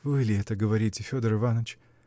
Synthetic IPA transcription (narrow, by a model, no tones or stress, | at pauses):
vɨlʲɪɛt̪əɡəvɐɾʲitʲɪfʲod̪ərɨvanət͡ɕ